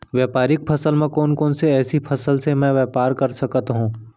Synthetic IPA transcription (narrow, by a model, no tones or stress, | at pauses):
ʋjɛːpaːɾɪk̚pʰɐsəlmẽkɔːnkɔːnseɛːsipʰɐsəlsemɛ̃ʋɛːpaːɾkɐɾsɐkət̪ɦũː